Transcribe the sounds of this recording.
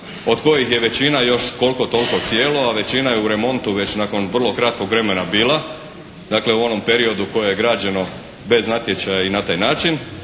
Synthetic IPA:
o̞d̪ko̞jixjeʋe̞t͡ɕinajo̞ʃko̞lko̞t̪o̞lˠko̞t̪sjeːlo̞aʋe̞t͡ɕinaje̞uɾe̞mo̞nt̪uʋe̞t͡ɕnako̞nʋr̩lˠo̞kɾat̪̚ko̞ɡʋɾe̞me̞nabiːlˠa | d̪aːkle̞uo̞no̞mpe̞ɾio̞d̪uko̞jeje̞ɡɾaːd͡ʑe̞no̞ | be̞znat̪ʲje̞t͡ɕajainat̪aːjnaːt͡ʃin

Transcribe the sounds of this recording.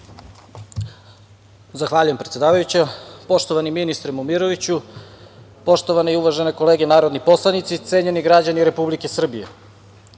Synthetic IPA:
zaxʋaːʎujempɾet̪ʲe̞d̪aːʋajut͡ɕapo̞ʃt̪o̞ʋaniminist̪ɾemomiɾoʋit͡ɕu | po̞ʃt̪o̞ʋaneiuʋaʒeneko̞le̞ːɡenaːɾo̞d̪nipo̞slˠanit̪sit̪se̞ɲe̞niɡɾad͡ʑaniɾe̞publike̞sr̩bijḛ

